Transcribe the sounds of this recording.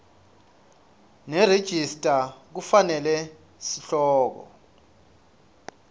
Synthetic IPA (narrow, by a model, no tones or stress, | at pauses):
nɛred̥ʒ̥ʱistʼak̬ufanɛlɛ | siɬɔːk̬ɔ̰